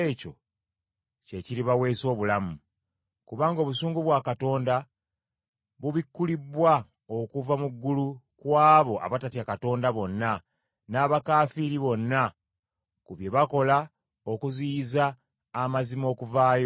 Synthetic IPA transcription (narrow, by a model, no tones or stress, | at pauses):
co̞ | ce̞ciɾiβawe̞ːso̞ːβulamu | kuβaːŋɡo̞ːβusuːŋɡuβwakato̞ːnda | βuβikːulibwa | o̞kuvamuɡːulu | kwaːβo̞ʔa̰βatatiakato̞ːndaβo̞nːa | naːβakaːfiɾiβo̞nːa | kuβje̞βako̞la | o̞kuziːzaː | mazimo̞ːkuvaːjo